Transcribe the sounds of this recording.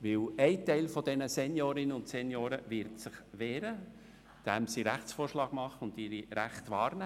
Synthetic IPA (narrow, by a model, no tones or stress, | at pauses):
ʋɪwɛɪtɛɪlfɔd̥ɛnəsɛnjoːɾɪnəʊntsɛnjoːɾəʋɪɾtsɪχʋɛːɾə | d̥æmsiɾæχt͡sfoːrʃlɑːɡ̥mɑχəʊndɪɾiɾæχtʋɑːɾnæ